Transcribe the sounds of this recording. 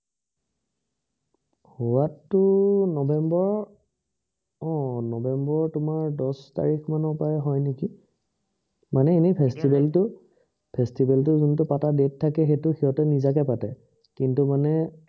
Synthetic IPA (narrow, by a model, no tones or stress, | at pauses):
huwatːʊnɔbʱɛmbɔɹ | ɔ̃nɔbʱɛmbɔɹtʊmaɹdɔsta̰ɹikʰmanɔpajɛɦɔjneki | manɛenipʰestibɛltʊ | pʰestibɛltʊzuntʊpatadetʰːakɛxetʊxiɦɔtɔnizakɛpatɛ | kintumanɛ